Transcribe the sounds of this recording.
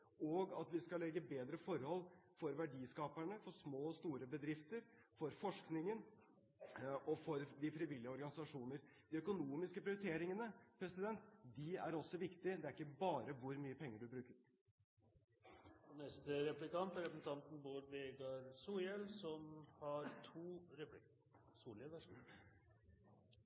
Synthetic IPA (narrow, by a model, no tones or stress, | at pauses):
ɔɡɑt̪ʋɪskɑlːɛɡːəbeːd̪ɾəfɔɾhɔlːfɔɾʋæɖiːskɑːpæɳəfɔʂmoːst̪uːɾəbəd̪ɾɪft̪əɾ | fɔɾfɔʂknɪŋən | ɔfɔɾd̪ɪfɾɪʋɪlːɪəɔɾɡɑnɪsɑʂuːnəɾ | d̪̥ɪœkʊnuːmɪskəpɾɪʊɾɪt̪ʰeːɾɪŋənəpʰɾɛsɪd̪ɛnt̪d̪ɪæ̰ɾɔsːɔʋɪkt̪ɪd̪ɛæɾɪkːəbɑːɾəʋʊɾmyːəpʰɛŋːəɖʉbɾʉːkəɾ | ɔnɛst̪əɾɛplɪkɑnt̪æɾɛpsn̩t̪ɑnt̪n̩buːɾbeːɡɑɾsuːjɛlsɔmhɑɾt̪ʰuːɾɛplɪk | suːlɪʋə